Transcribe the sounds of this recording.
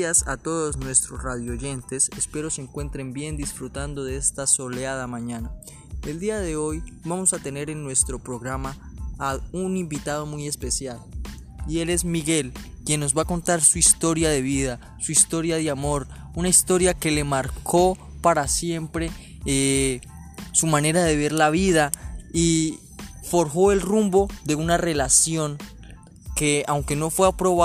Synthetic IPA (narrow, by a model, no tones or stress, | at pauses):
asa̰t̪o̞ðo̞snwe̞st̪ɾo̞sraðjooʝe̞nt̪e̞sespe̞ɾo̞seŋkwe̞nt̪ɾe̞mbje̞nd̪isfɾut̪and̪o̞ðeest̪aso̞leaðamãɲana | eld̪iaðe̞o̞jbamo̞sat̪ene̞ɾe̞nːwe̞st̪ɾo̞pɾo̞ɣɾama | unimbit̪að̞o̞muje̞spe̞sjal | ie̞le̞zmiɣe̞l | kje̞nːo̞zβako̞nt̪aɾsuist̪o̞ɾjaðe̞β̞iða | suist̪o̞ɾjaðjamo̞ɾ | unaist̪o̞ɾjake̞le̞maɾkʰo̞ | paɾasje̞mpɾe̞ | e | sumane̞ɾaðe̞βe̞ɾlaβiðai | fo̞ɾxo̞e̞lrumbo̞ðe̞unare̞lasjo̞ŋ | ke̞awŋke̞no̞fweapɾo̞βa